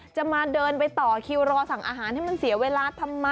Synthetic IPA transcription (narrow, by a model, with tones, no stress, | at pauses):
t͡ɕa˨˩maː˧dɤː˧npa˧jt̪ɔː˨˩kʰi˧wɾɔː˧sa˨˩˦ŋʔaː˧ɦaː˩˦nha˥˩jma˧nsi˩˦ɐweː˧laː˧˦t̪ʰa˧mːa˧